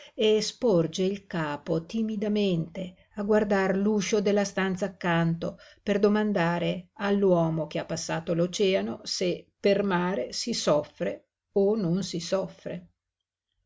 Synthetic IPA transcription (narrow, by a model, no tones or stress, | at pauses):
espɔrd͡ʒeilkaːpot̪imid̪ament̪e | aɡward̪arluːʃod̪elːast̪ant̪saːkːant̪operd̪omand̪aːɾealːwɔːmok̟eapːasːaːt̪olot͡ʃɛːanosepermaːɾesisɔfːɾe | ononsisɔfːɾḛ